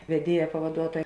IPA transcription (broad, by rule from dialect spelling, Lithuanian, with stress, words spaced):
ʋʲɛˈdʲiɛjɛ pɐʋɐˈduɔtoːjɛ